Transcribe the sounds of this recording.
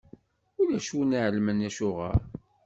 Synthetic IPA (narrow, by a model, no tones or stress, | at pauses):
ʊlæʃunaʕəlmənæʃʊʁə̰ɾ